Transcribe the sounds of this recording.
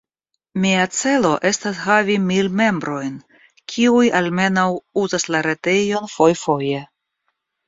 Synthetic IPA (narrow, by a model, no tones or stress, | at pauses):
miat͡se̞lo̞ʔe̞stashavimilme̞mbɾo̞jn | kʲʰiujalme̞nawuzaslaɾete̞jo̞nfo̞jfo̞je̞